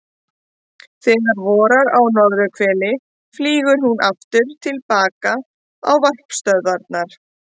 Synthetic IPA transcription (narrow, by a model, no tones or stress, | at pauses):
θɛːɣaɾvɔːɾaɾawnɔðɾʏkʰvɛːlɪ | fliːɣʏɾ̥hunʔaft̪ʏɾ̥t̪ʰɪlpaːka | awvar̥pst̪œðvaɾt̪naɾ̥